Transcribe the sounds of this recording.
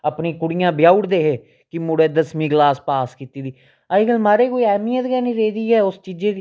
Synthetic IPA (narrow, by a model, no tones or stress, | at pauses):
əpniːkʊɽijãːbɪjaːʊɽd̪eːɦeː | kɪmʊɽeːd̪əsmĩːɡlaːspaːskit̪iːd̪iː | aːɪɡəlmaːɾeːkoːiːɛːmiə̃t̪ɡɛːniːɾeːd̪iːɛːʊst͡ʃiːd͡ʒeːd̪